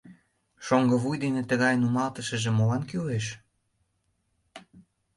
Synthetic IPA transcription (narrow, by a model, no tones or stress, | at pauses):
ʃoŋɡə̆βujd̪enet̪əɣɑjnumɑlt̪əʃə̆ʒemolɑnkyleʃ